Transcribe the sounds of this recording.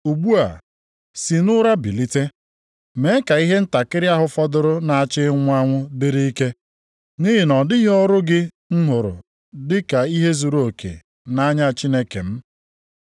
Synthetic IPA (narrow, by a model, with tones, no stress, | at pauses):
u˨ɡ͡bu˦a̰˨ | si˨nʊ˦ɾa˦bi˨li˦te˦ | me˨˦ka˨i˦ɦe˦n̩˦ta˨kɪ˦ɾɪ˦a˦ɦʊ˦fɔ˦dʊ˦ɾʊ˦na˨a˨t͡ʃɪ˦ŋʷ˦a˦ŋʷʊ˦dɪ˦ɾi˦i˦ke˦ | ni˦ɦɪ˨nɔ˨dɪ˦ɣɔ˦ɾʊ˦ɡɪ˦ | ŋ̩˦ɦʊ˨ɾʊ̰˨ | dɪ˦ka˨i˦ɦe˦zu˨ɾo˨kʰḛ˨ | na˦ɲa˦˨t͡ʃi˦ne˦kḛ˨m̩˦